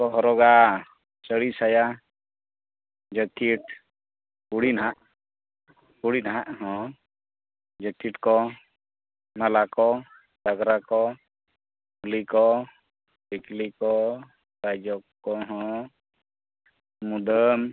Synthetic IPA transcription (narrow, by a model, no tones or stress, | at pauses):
kɔɦɔɾɔɡa | səɽisaja | d͡ʒəkiʈ | kuɽinɦaʔ | kuɽinɦaʔɦɔ̃ | d͡ʒəkiʈkɔ | malakɔ | d̪aɡɾakɔ | ulikɔ | biklikɔ | ɾad͡ʒɔkːɔɦɔ̃ | mud̪əm